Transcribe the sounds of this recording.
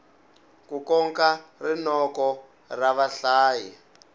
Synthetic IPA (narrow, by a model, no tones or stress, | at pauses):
kukɔŋkarinɔkɔ | raβaɬaːji